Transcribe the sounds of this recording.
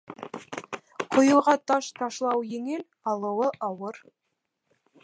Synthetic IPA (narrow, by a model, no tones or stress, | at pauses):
qʰŏjɤ̆lˠʁɑt̪ɑʃt̪ɑʃlˠɑwjĕŋel | ɑlˠɤ̆wɤʔɑwɤɾ